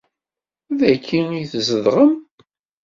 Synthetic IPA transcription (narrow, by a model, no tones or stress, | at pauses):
ðækʰːinijθzəðʁəm